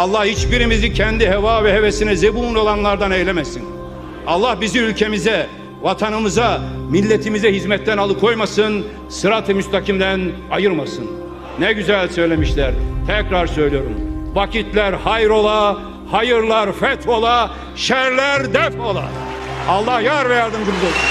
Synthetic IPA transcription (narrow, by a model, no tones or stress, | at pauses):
ɑlˠːɑhhit͡ʃbiɾimizicʰɛnd̪iɦɛvaːvɛɦevesinɛzebuːno̞lˠanlˠaɾd̪anejlʲɛmɛsin | ɑlˠːɑhbizimylʲcʰe̞mizɛ | vat̪ʰanɯmɯzamilʲːet̪ʰimizɛɦizmɛt̪ːænalˠɯkʰo̞jmasɯn | sɯɾat̪ʰɯmyst̪ʰacʰimd̪æn | ajɯɾmasɯn | nɛɟyzælʲsø̞jlʲemiʃlʲæɾt̪ʰɛcɾaɾsø̞jlʲijoɾṵmvacʰit̪ʰlʲæɾhajɾo̞lˠa | hajɯɾlˠaɾfɛt̪ʰo̞lˠa | ʃæɾlʲæɾd̪ɛfo̞lˠa̰ | ɑlˠːahjaɾvɛjaɾd̪ɯmd̪ɯɾd̪o